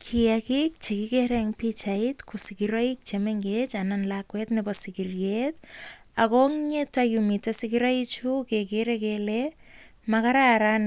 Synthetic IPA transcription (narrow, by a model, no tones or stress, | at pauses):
kʰiakik̚t͡ʃekikeɾɛŋpit͡ʃaitkusikiɾɔik̚t͡ʃemeŋɡet͡ʃananlakwetnɪbɔsikiɾjet | akoŋɲetajumitasikiɾait͡ʃukekeɾekele | makaɾaɾan